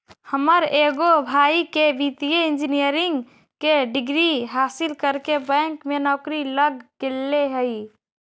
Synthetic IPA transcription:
həməɾeɡobʱaːikebit̪ijeɪnd͡ʒinijəɾiŋɡ | keɖɪɡɾiɦaːsilkəɾkebɛ̃ŋkmenɔːkɾiləɡkelːeɦəi

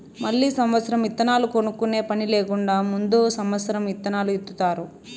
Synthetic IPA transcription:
mɐɭːiːsɐmʋɐt̪sɐɾɐmit̪ːɐnaːlukonukːune̞ːpɐnileːkuɳɖaːmund̪oːsɐmʋɐt̪sɐɾɐmit̪ːɐnaːluit̪ːut̪aːɾu

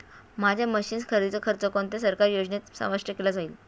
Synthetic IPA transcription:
mad͡ʑʱjaməɕiːnskʰəɾd̪it͡səkʰəɾt͡səkont̪es̬əɾkaɾjod͡znet̪sə̰̃ʋəʂʈjəkelad͡zaiːl

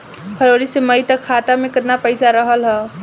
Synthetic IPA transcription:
pʰəɾoːɽiseməit̪əkʰːaːt̪amẽkɐd̪napəɪsaɾəɦəlɦɛː

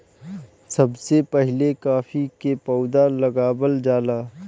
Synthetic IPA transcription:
sɐbsepɛɦɪlekaːfikepɔʊd̪alɐɡaːbəld͡ʒaːlaː

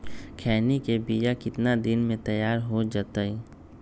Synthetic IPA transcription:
kʰɛːnikebijakɪt̪nad̪ɪnmẽt̪ɐjaːɾɦod͡ʒaːt̪ai

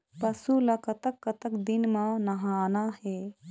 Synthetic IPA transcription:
pɐsulɐkɐt̪əkːɐt̪əkd̪ɪnmãnɐɦaːnaɦɛː

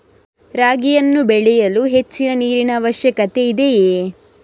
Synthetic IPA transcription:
ɾaːɡijɐnːubɛɭɛjɐluɦe̞t͡ʃːinɐniːɾinɐʋɐʃjɐkɐt̪e̞id̪e̞jeː

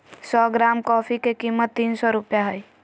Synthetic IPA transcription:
sɔɡɾamkɔpʰikekimːət̪ːinsɔɾupjaɦəj

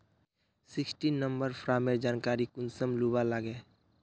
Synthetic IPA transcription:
sɪksʈinnːəmbəɾpʰɾaːmed͡ʒaːnkaːɾikʊnsəmlubalaɡɛː

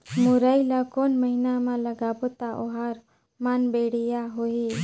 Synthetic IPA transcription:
muɾajlakɔnməɦinamaləɡabɔt̪aʔɔɦaɾ | manbeɽijaɦoɦi

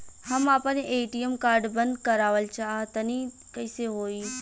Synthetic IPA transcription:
hɐmaːpəneʔeːʈijemkaːɾɖbɐ̃nd̪kɐɾaːʋəlt͡ʃaːɦt̪ɐni | kɐɪseɦoːiː

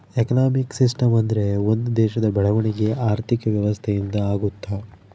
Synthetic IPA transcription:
ekɐnaːmiksisʈɐmɐnd̪ɐɾe̞o̞nd̪ud̪ɛːʃɐd̪ɐbɛɭɐʋɐɳiɡe̞ʔaːɾt̪ʰikɐʋjɐʋɐst̪ʰejind̪ɐaːɡut̪ːa

